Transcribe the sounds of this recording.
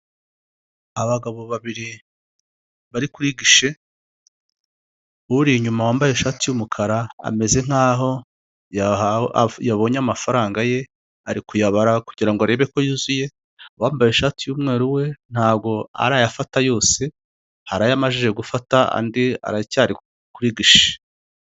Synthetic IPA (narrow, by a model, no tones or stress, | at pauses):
aβaɡaβo̞βaβiɾi | βaɾikuɾiɡiʃe̞ | uɾiɲumawaːmbajeʃaːtijumukʰaɾaa̰me̞ze̞ŋ̥aːɦo̞ | ja | jaβo̞ɲamafaɾaːŋɡaje̞ | aɾikujaβaɾakuɟiɾaŋɡoaɾe̞βe̞ko̞juːzuje̞ | waːmbajeʃaːtijuːmŋe̞ːɾuwe̞n̥aːb̚ɡo̞a̰ɾajafatajo̞ːse̞ | haɾajamaʒeʒe̞ɡufataa̰ndia̰ɾacaːɾi | kuɾiɡiʃe̥